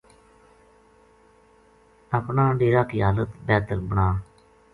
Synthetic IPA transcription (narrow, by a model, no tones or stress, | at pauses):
əpnãːɖeːɾaːkiːɦaːlət̪bɛːt̪əlbəɳaː